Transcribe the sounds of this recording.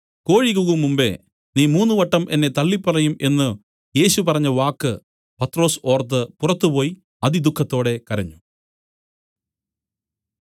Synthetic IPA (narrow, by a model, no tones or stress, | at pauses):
ko̞ːɻikːuɣumːumbe̞̰ | niːmuːnːuʋɐʈːɐmʔe̞nːe̞t̪ɐɭːipːɐrɐjumʔe̞nːɨ | je̞ːɕupɐrɐɲːɐʋaːkːɨ | pɐt̪ːro̞ːso̞ːrt̪̬ːɨpurɐt̪ːɨpo̞ːji | ɐðid̪ukʰːɐt̪ːo̞ːɽe̞kɐɾɐɲːu